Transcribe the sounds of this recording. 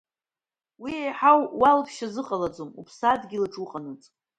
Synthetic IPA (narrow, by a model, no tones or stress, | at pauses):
wiejħawːalpʰʃazɨqʼalad͡zomupʰsadɡʲilɨʈ͡ʂʼuqʼanɨt͡sʼ